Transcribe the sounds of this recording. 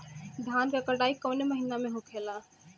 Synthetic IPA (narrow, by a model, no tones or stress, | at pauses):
d̪ʱankəkəɖaikəwneməɦinameɦũkʰela